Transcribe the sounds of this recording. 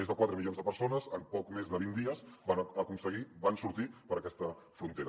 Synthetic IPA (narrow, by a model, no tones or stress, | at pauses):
mezðəkwat̪ɾəmiʎonzðəpəɾsonəzəmpɔkmezðəβind̪iəzanəkunsəɣibansuɾt̪ipəɾəkɛst̪ə | fɾunt̪eɾə